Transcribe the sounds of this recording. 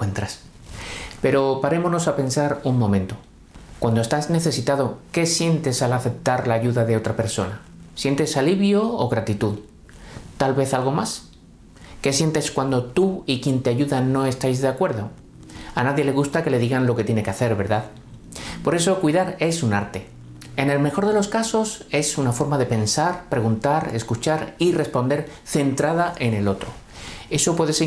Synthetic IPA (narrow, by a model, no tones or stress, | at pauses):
ent̪ɾas | pe̞ɾo̞paɾe̞mono̞sape̞nsaɾuŋmõ̞mẽ̞nt̪o̞ | kwand̪oe̞st̪azne̞θe̞sit̪aðo̞ke̞sje̞nt̪e̞salaθe̞p̚t̪aɾlaːʝuðaðe̞o̞t̪ɾape̞ɾso̞̰na | sje̞nt̪e̞saliβjo̞oɣɾat̪it̪uð | t̪alβe̞θalɣo̞mas | ke̞sje̞nt̪e̞skwand̪o̞t̪uikjent̪e̞aʝuðano̞e̞st̪ajzðe̞akwe̞ɾðo̞ | anaðje̞le̞ɣ̞ust̪ake̞le̞ðiɣanlo̞ke̞t̪je̞ne̞keaθe̞ɾβe̞ɾðað | po̞ɾe̞so̞kwiðaɾe̞sunaɾt̪e̞ | e̞ne̞lme̞xo̞ɾð̞e̞lo̞skaso̞se̞sunafo̞ɾmaðe̞pe̞nsaɾpɾe̞ɣunt̪aɾe̞skut͡ʃaɾire̞spo̞nd̪e̞ɾ | θe̞nt̪ɾaðaʔe̞ne̞lo̞t̪ɾo̞ | e̞so̞pwe̞ðese